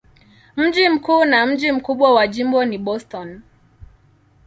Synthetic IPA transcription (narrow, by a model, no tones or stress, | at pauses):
m̩d͡ʒim̩kuːnam̩d͡ʒim̩kuɓwawaʄimbɔniɓɔstɔn